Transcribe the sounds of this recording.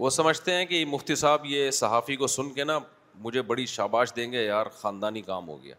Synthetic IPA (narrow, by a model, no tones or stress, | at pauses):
ʋoːsɐməd͡ʒʱt̪eɦɛ̃kimʊft̪isaːbjesɐɦaːfikosʊnkena | mʊd͡ʒʱebɐɽiʃaːbaːʃd̪ẽːɡejaːɾxãːnd̪aːnikaːmɦo̰ːɡɪja̰ː